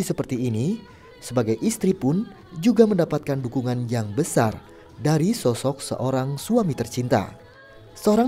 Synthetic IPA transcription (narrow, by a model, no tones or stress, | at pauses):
isəpərt̪iːni | səbaɡajʔist̪ɾipʊn | d͡ʒuɡaməndapat̪̚kandukuŋanjaŋbəsa̰r | daɾisɔsɔk̚sə̰ʔoɾaŋsuamit̪ərt͡ʃint̪a̰ | səoɾa